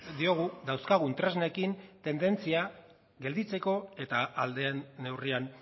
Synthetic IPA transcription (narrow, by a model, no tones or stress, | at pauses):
d̪io̞ɣ̞uðawskaɣ̞unt̪ɾe̞znekint̪e̞nd̪e̞nt͡sia | ɣe̞ld̪it͡se̞ko̞e̞t̪aʔald̪e̞ne̞wrian